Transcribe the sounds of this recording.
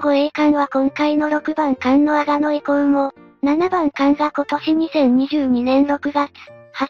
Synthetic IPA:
ɡoe̞ːkãɰ̃βakõ̞ŋkaino̞ɾo̞kɯ̟bãŋkãnno̞aɡano̞ikõɯ̃mo̞ | nanabãŋkãŋɡako̞t̪o̞ɕiɲ̟isẽ̞ɲɲiʑɨːɲ̟inẽ̞nɾo̞kɯ̟ɡat͡sɨ̥ha

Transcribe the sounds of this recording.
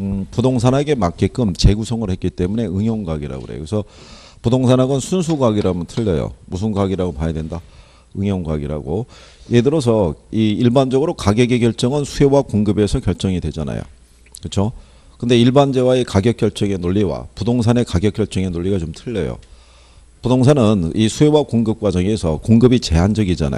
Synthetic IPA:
ɯpudoŋsʰanɦaɡe̞mak͈ek͈ɯmt͡ɕe̞ɡusʰʌŋɯɭhe̞t̚k͈it͈e̞mune̞ɯŋjʌŋɡaɡiɾa̰ɡo̰ɾḛjo̰kesʰʌ | pudoŋsʰanɦaɡʌnsʰuns̬ʰuɡaɡiɾamʌntʰɯʎːʌjo̰mus̬ʰɯnɡaɡiɾaɡopaɲadwe̞nda | ɯŋjʌŋɡaɡiɾa̰ɡo̰ | jedɯɾʌs̬ʰʌiiɭband͡ʑʌɡɯɾokaɡjʌɡe̞kjʌɭt͡ɕ͈ʌŋɯnsʰue̞wakoŋɡɯbe̞sʰʌkjʌɭt͡ɕ͈ʌŋidwe̞d͡ʑana̰jo̰ | kɯt͡ɕʰo | kɯnde̞iɭband͡ʑe̞waekaɡjʌk͈jʌɭt͡ɕ͈ʌŋe̞noʎːiwa̰pudoŋs̬ʰane̞kaɡjʌk͈̚jʌɭt͡ɕ͈ʌŋe̞noʎːiɡat͡ɕomtʰɯʎːʌjo̰ | pudoŋsʰanɯnisʰue̞wakoŋɡɯp̚k͈wad͡ʑʌŋiesʰʌkoŋɡɯbit͡ɕe̞ɦand͡ʑʌɡid͡ʑa̰na̰

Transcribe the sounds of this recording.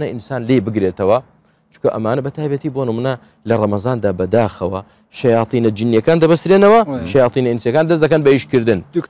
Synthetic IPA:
nɐʔinsaːnlebɨɡɾeːt̪ɐwɐ | t͡ʃu̥kɐʔɐmaːnɐbɐt̪ʰaːjbɐt̪iːbo̞ːnɨmunɐ | lɐrˤɐmɐzaːnd̪aːbɐd̪aːxɐwɐ | ʃɐjɑːt̪ˤiːnɐd͡ʒinjɐkaːnd̪ɐbɐst̪ɾeːnɐwɐʃɐjɑːt̪ˤiːnɐinsijɐkaːnd̪ɐs̬d̪ɐkɐnbɐiʃkɨɾd̪ɨn

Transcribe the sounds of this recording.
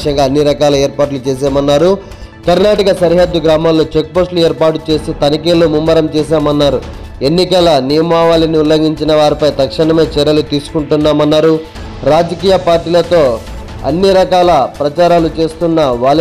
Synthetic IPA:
ʂɐŋɡaːɐnːiɾɐkaːlɐeːɾpaːʈ̬lut͡ʃeːs̬aːmɐnːaːɾu | kɐɾnaːʈɐkɐsɐɾiɦɐd̪ːuɡɾaːmaːlːoːt͡ʃe̞k̚posʈluɛeːɾpaːʈut͡ʃe̞ːsit̪ɐnikeːlːumumːɐɾɐmt͡ʃɛːsaːmɐnːaːɾu | e̞nːikɐlɐnijɐmaːʋaːlɐniulːɐŋɡiɲt͡ʃinɐʋaːɾipɐjt̪ɐkʂɐɳɐme̞ːt͡ʃɛɾːɐlut̪iːsu̥kuɳʈunːaːmɐnːaːɾu | ɾaːd͡ʒɐkiːjɐpaːɾʈiːlɐt̪o̞ː | ɐ̰nːiɾɐkaːlɐpɾɐt͡ʃaːɾaːlut͡ʃe̞ːst̪unːɐʋaːl

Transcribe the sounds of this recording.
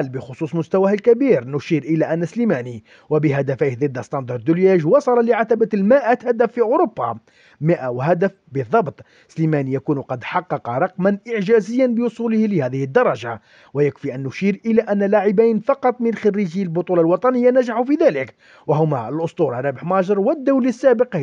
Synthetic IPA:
lbəxʊsˤuːsˤmʊst̪æwæhlkæbiɾnʊʃiːɾʔəlæʔænːæslimæni | wæbəɦæd̪æfajhd̪ˤəd̪ːst̪ɑnd̪ɑɾd̪ʊljæʒwɑsˤɑlɑlɪʕat̪æbalmaʔæt̪hæd̪æfːiʔʊɾobːɑ | mɪʔawɦæd̪æfbəðˤːɑbt̪ˤ | slimænijækuːnqɑd̪ħɑqːɑqɑɾˤɑqmanʔɪʕʒæzəjːanbəwʊsˤuləhlɪhæðəhəd̪ːɑɾˤɑʒa | wæjəkfiʔænːʊʃiɾʔəlæʔænːælaʕɪbajnfɑqɑt̪ˤmɪnxɑrːiʒiːlbʊt̪ˤulɑlwɑt̪ˤɑnəjːanæʒaħufiðælək | wæɦʊmæəlʔʊst̪ˤuɾˤɑrˤɑbəħmɑʒəɾˤwəd̪ːawlisːæbəq

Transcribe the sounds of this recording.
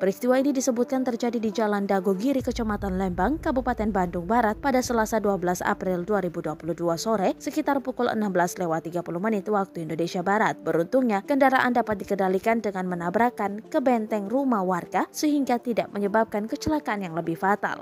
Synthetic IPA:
pəɾist̪iwainidisəbut̪̚kant̪ərd͡ʒadidid͡ʒalandaɡoɡiɾikət͡ʃomat̪anlɛmbaŋkabupat̪ɛnbandʊŋbaɾat̪̚padasəlasaduabəlasa̰pɾɪlduaɾibuduapuluduasoɾɛsəkit̪arpukulʔə̰nambəlaslewat̪ːiɡapuluhmənit̪wak̚t̪uindonesiabaɾat̪̚bəɾunt̪uŋɲakəndaɾaʔa̰ndapat̪̚dikədalikandəŋanmənabɾakankəbɛnt̪ɛŋrumahwarɡasəɦiŋɡat̪ida̰ʔməɲəbap̚kankət͡ʃəlakaanjaŋləbɪhfat̪a̰l

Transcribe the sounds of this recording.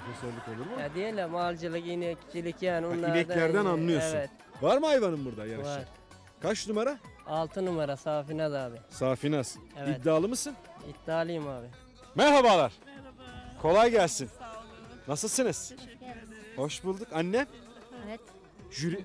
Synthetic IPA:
kʰøsɛlʲːiko̞lˠuɾmujad̪ijɛlʲɛmalʲˠd͡ʒɯlˠɯkjinɛcʰi̥t͡ʃ̪ʰilʲicjaːniunːˠiaɾbɛd̪llʲæɾd̪ænanlˠɯjosevɛt̪ | vaɾmɯajvanɯmbuɾd̪ajaɾʃaɾ | kʰat͡ʃnumaɾaalˠt̪ʰɯnumaɾasaːfinad̪aːbisaːfinasɯnitd̪ːaːlˠɯmɯsɯnit̪ːaːlˠɯjmaːbɪ | mæɾɦabalˠaɾ̥ | kʰo̞lˠajɟælʲsinː | asɯlˠsɯnɯz̥ | ho̞ʃbulˠd̪ukanːɛ | t̪ | ʒyɾi

